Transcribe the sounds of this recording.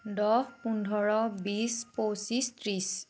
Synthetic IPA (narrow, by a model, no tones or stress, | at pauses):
dɔhpundʱɔɹɔbisposistɹis